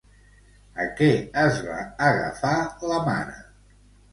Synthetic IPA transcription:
əkɛəzβa̰ːɣə̰faləma̰nə

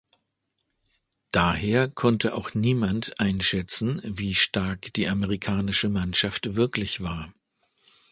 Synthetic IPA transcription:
d̥aːheːɐkʰɔntʰəʔaʊxniːmantʔaɪnʃɛt͡sn̩viːʃtaɐkd̥iːʔaməʁikʰaːnɪʃəmanʃaftv̥ɪɐklɪçv̥aːɐ

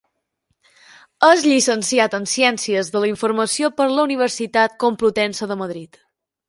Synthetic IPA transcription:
əzʎisənsiat̪ənsiɛnsiəzðələiɱfuɾməsiopəɾləuniβ̞əɾsit̪at̪̚komplut̪ɛnsəðəməðɾit̪

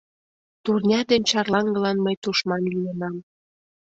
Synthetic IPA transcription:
t̪urnʲɑd̪enʲt͡ɕɑrlɑŋɡəlɑnməjt̪uʃmɑnlienɑm

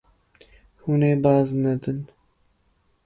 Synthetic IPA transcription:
huneːbɑːznɛd̪ɨn

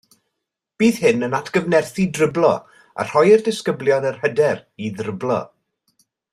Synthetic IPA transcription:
b̥iːðɦɪnənatʰɡ̥əvnɛrθidrəblˠɔ̰ | a̰r̥ɔjərdɪskəblˠjɔðərhədɛriðrəblˠɔ̰

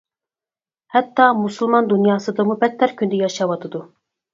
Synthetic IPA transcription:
hɛt̪ːɑmusɨlˠmɑnd̪unjɑːsɨd̪əmubɛt̪ʰːæɾkʲʰynd̪ɪjɑʃɑwɑt̪ʰɨd̪u

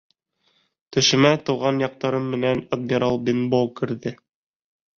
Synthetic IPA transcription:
t̪ɵ̆ʃɘ̆mæt̪ɤ̆wʁɑnjɑq̚t̪ɑɾɤmːɘ̆nænɐd̪̚mʲiɾalˠbʲinbowkɘ̆ɾðɘ

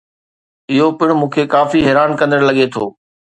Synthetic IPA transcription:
ɪɦopɪɽ̃ʊ̆mũːkʰekaːfiɦɛːɾaːnkɐ̃nd̪əɽlɐɠet̪ʰoː

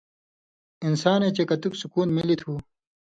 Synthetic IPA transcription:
insaːneːt͡ɕekɐt̪uksukuːnmilit̪ʰuː

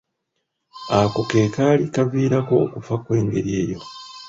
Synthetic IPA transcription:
akoke̞ːkaːlikaviːɾako̞ːkufakwe̞ːŋɡe̞̰ɾie̞ːjo̞

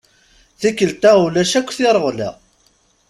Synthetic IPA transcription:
θikːəlt̪æulæʃækʷːθɪɾˤəʁlæ̰

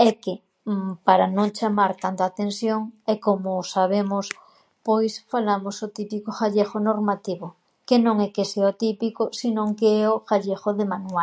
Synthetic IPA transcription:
ɛkɪ | paɾanõŋt͡ʃamaɾt̪ant̪aːt̪ensjoŋɛkomʊsaβ̞emʊs | pojsfalamosot̪ipikoxaʎexonoɾmat̪iβo | kenõŋɛkeseaot̪ipikosinõŋkeɛoxaʎexoðemanwa

